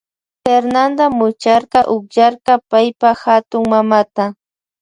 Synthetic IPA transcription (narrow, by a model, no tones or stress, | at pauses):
feɾnand̪amʊt͡ʃaɾqɑʔʊkʎaɾqɑpajpaxat̪ʊŋmamat̪a